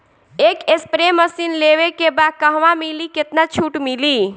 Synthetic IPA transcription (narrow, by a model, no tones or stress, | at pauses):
ekespɾeməsinleβekebakəɦʋamiliket̪nat͡ʃʰuʈmili